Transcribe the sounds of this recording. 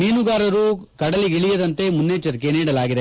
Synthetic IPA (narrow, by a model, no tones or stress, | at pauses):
niːnuɡaːɾɐɾukɐɽɐliɡiɭijɐd̪ɐnt̪e̞munːeːt͡ʃɐɾkeniːɽɐlaːɡid̪e